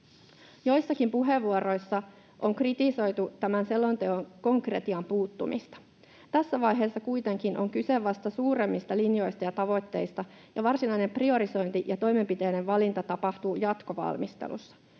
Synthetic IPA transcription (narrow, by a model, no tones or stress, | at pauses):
jo̞jsːɑkimpuɦe̞ʋːuoɾo̞jsːɑ | ʔo̞ŋkrit̪iso̞jt̪ut̪æmænse̞lːo̞nt̪eoŋko̞ŋkre̞t̪iɑmpuːt̪ːumʔḭst̪ɑ̥ | t̪æsːæʋɑjɦe̞ːsːɑkujt̪e̞ŋkinʔo̞ŋkyse̞ʋɑst̪ɑsuːɾe̞mːist̪ɑlinjo̞jst̪ɑjɑt̪ɑʋo̞t̪ːe̞jst̪ɑ | jɑʋɑrsinɑjne̞mprio̞ɾiso̞jnt̪iʔjɑt̪o̞jme̞mpit̪e̞jne̞ʋʋɑlint̪ɑt̪ɑpɑht̪uːjɑt̪ko̞ʋɑ̰lmist̪ḛlṵsːɑ̥